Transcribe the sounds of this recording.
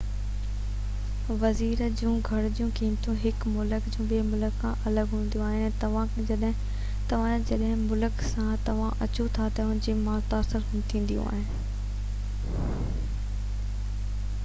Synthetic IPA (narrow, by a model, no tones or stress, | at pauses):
ʋɐziːɾd͡ʑũːɡʱɐɽd͡ʑijũkĩːmt̪ʰũɦɪkmʊləkd͡ʑũːbemʊləkãʔɐləɡɦũːn̆d̪ijũaːɦɪnɛt̪ɐʋ̤ãkd͡ʑɐɗɦɪ̃ | t̪ɐʋ̤ãd͡ʑɐɗɦɪ̃mʊləksãt̪ɐʋ̤ãʔɐt͡ɕot̪ʰat̪ɐʊ̃nɪ̃d͡ʑeːmaːɾt̪aːɾsəɾ | t̪ʰĩːn̆d̪ijṵ̃a̰ːɦɪnɪ